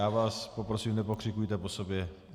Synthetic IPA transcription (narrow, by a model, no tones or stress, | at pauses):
aːʋaːspopɾosimnɛpokr̥ɪkujt̪ɛposobjɛ